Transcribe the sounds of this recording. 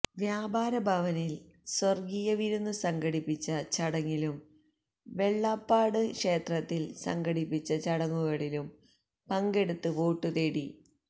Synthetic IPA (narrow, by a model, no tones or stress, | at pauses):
ʋjaːbaːɾɐbʱɐʋɐnil | swɐrɡijɐʋiɾunːusɐŋɡɐɽipːit͡ɕːɐt͡ɕɐɽɐŋːilum | ʋe̞ɭːapːaːɽɨkʂe̞ːt̪rɐt̪ːilsɐ̰ŋɡɐɽipːit͡ɕːɐt͡ɕɐɽɐŋːuɣɐɭilum | pɐŋɡe̞ɽut̪ːɨʋo̞ːʈːɨt̪eːɽi